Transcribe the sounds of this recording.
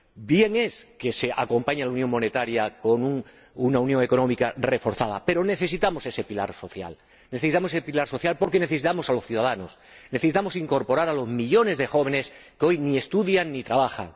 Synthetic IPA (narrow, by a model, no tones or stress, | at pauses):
bje̞ŋe̞ske̞se̞ʔa̰ko̞mpaɲalaunjo̞ŋmo̞ne̞t̪aɾjako̞nuŋ | unaunjõ̞ŋe̞ko̞nõ̞mikare̞fo̞ɾθaða̰pe̞ɾo̞ne̞θe̞sit̪amo̞se̞se̞pilaɾso̞θja̰l | neθesit̪amosesepilaɾso̞θjalpo̞ɾke̞neθe̞sit̪amo̞saloθjuðaðano̞sneθe̞sit̪amo̞siŋko̞ɾpo̞ɾaɾalo̞zmiʎo̞ne̞zðe̞xo̞β̞e̞ne̞s | keo̞jnie̞st̪uðjaŋnːit̪ɾaβ̞axa̰ŋ